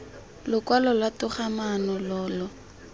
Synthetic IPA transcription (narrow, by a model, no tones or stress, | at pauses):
lʊkwalɔlwatʊχamanɔlɔːlɔ